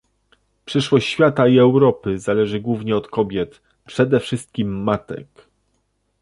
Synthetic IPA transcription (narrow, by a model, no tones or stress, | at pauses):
pʂɘʂwɔɕt͡ɕɕfʲjat̪aiɛwɾɔpɘzalɛʐɘɡwuvɲɛɔt̪kɔbʲjɛt̪ | pʂɛd̪ɛfʂɘst̪̚kʲimːat̪ɛ̰k